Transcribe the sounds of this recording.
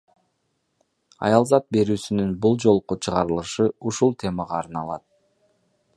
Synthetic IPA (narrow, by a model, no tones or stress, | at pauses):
ɑ̰jɑlˠzɑt̪̚be̞ɾyːsynynbulˠd͡ʒo̞lˠqot͡ʃʰɯʁɑɾɯlˠɯʃɯuʃulˠt̪ʲʰe̞mɑʁɑːɾnɑlˠɑt̪̚